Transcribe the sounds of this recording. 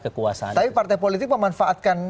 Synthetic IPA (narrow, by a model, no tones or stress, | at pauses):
kəkuasa̰a̰napipart̪ajpolit̪ɪk̚məmanfaʔat̪̚kan